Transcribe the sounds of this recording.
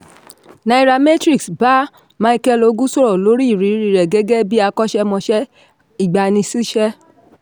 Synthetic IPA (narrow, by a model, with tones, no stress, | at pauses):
nã˧i˧ɾa˧me˦tɾi˦˨ksba˦ | mã˨˦i˧kɛ˦lo˧˦ɡũ˦so˦ɾɔ˨lo˨˦ɾi˦i˨ɾi˨˦ɾi˨˧˨ɾɛ˨ɡɛ˦ɡɛ˦bi˦a˧kɔ˦ʃɛ˦mɔ̃˧ʃɛ˦ | i˦˨ɡ͡ba˨nĩ˧si˦ʃɛ˦